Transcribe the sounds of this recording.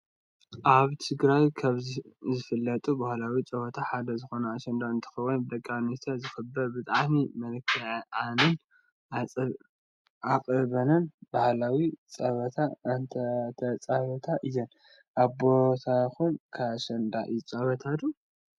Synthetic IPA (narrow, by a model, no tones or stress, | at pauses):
ʔaβt̪ʰɨɡɾajkʰaβzizɨfɨlːɐt̪ʼubahlawit͡sʼɐβɐt̪ʰaħad̪ɐzɨxo̞nɐːʃɐnd̪aɨnt̪ʰɐ̥xɐwɔnbɨd̪ɐkʼːanist̪ʰazɨxɨbːɐɾbɨt̪ʼaʕmimɐlkʰːɐʕʔanɨn | ʔat͡sʼ | ʔakʼɨbɐnɨnbahlawit͡sʼɐβɐt̪ʰaɨnt̪ʰɐt̪ʰɐt͡sʼaβɐt̪ʰaʔɨjɐn | ʔabot̪ʰaxunkʰaʃɐnd̪aʔɨjut͡sʼɐβɐt̪ʰad̪u